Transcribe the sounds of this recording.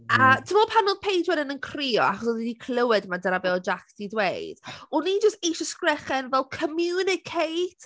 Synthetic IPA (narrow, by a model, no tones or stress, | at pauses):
atʰəmɔpʰanɔpʰejdwɛdɪnənkʰr̥iɔ̰aχɔsɔðidikʰlˠəwɪdmadəɾabeːɔd͡ʒakd̥idwejd̥ɔnid͡ʒəsteʃɔskrɛχɛnvɛlˠkʰəmjunɪkʰejtʰ